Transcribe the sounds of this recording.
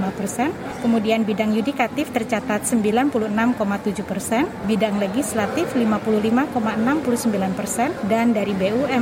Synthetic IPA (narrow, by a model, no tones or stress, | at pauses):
apərsɛn | kəmudianbidaŋjudikat̪ɪft̪ərt͡ʃat̪at̪̚səmbilanpuluənamkomat̪ud͡ʒuhpərsɛnbidaŋleɡislat̪ɪflimapuluhlimakomaənampulusəmbilanpərsɛndandaɾibeuɛ